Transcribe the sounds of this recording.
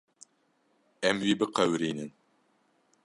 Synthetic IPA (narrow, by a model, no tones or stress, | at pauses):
ɛmwiːbɨqɛwɾiːnɨn